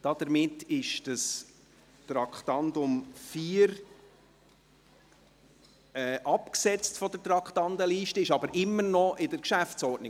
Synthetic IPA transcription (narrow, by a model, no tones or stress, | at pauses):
d̥ɑd̥̪əɾmɪtɪʃd̥ɑs | tɾɑkχt̪ɑndʊmfiːɾ | ɛːʔɑpksɛt͡stfɔd̥əɾtrɑkχtɑndəliːʃtəɪʃɑbəɾʔɪmːəɾnɔʔɪdəɾkʃæft͡sɔɾdnɪ